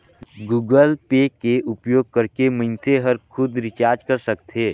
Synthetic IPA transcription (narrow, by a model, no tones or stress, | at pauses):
ɡuːɡəlpeːkeʔʊpjoːɡ̚kəɾkemə̃nt̪ʰeɦəɾkʰʊd̪ɾɪt͡ʃaːɾd͡ʒkəɾsəkt̪ɦeː